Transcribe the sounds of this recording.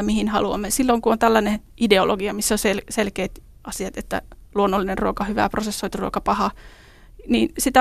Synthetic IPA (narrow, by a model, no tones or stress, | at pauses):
mihinhɑ̰luɑ̰mːesilːoŋkuont̪ælːæne | ʔideolʔoɡiɑmisːoselselkeːt̪ | ɑsiɑt̪et̪ːæ̰luonːolːinerruokɑhyʋæ̰prosesːoit̪iruokɑpɑhɑ | niːnsit̪æ